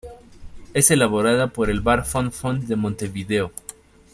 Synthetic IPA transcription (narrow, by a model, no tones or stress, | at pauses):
ese̞laβo̞ɾaðapo̞ɾe̞lβaɾfonfond̪e̞mõnt̪e̞βiðe̞o